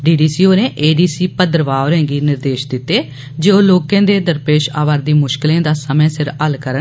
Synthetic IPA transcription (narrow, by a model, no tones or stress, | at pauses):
ɖiːɖiːsiːoːneːʔeːɖiːsiːpəd̪əɾʋaːoɾẽːɡiːnɪɾd̪eːʃd̪ɪt̪ːeː | d͡ʒeːoːloːkẽːd̪eːd̪əɾpeːʃa̰ːʋaːɾd̪iːmʊʃkɪlẽːd̪aːsəmẽːsɪɾəlkəɾə